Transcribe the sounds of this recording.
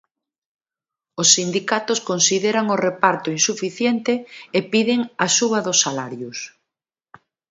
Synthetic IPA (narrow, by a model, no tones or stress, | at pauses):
osːind̪ikat̪oskonsiðeɾaŋorepaɾt̪ʊinsufiθjent̪ɪepiðɪŋasuβ̞ɐðosːalaɾjʊs